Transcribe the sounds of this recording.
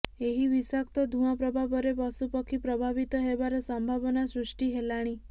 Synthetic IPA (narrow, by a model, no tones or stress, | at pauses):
eɦibisakt̪ɔd̪ʱũapɾɔbʱabɔɾepɔsupɔkʰipɾɔbʱabit̪ɔɦebaɾɔsɔmbʱabɔnasɾusʈiɦelaɽ̃i